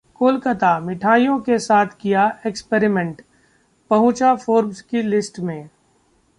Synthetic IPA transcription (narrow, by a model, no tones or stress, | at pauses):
koːlkət̪amɪʈʰaːijõkesaːt̪ʰkijaekspeɾɪmẽɳʈ | pɐɦʊ̃t͡ʃafoːɾmskilɪsʈmẽː